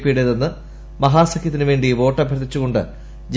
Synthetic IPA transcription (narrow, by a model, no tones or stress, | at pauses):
pːiɽeðenːɨ | mɐɦaːsɐkʰjɐt̪ːinɨʋe̞ːɳɖiʋo̞ːʈːɐbʱjɐɾt̪ːit͡ɕːuɣo̞ɳɖɨ̰ | d͡ʑ